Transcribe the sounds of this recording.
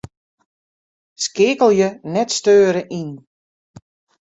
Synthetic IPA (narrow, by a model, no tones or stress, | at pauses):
skɪːkəlˠjənɛtstøːɾəʔin